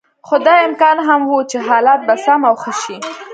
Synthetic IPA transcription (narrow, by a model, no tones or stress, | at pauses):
xod̪ɑjɪmkɑnɦamwut͡ʃeɦɑlat̪̚basamawxəʃi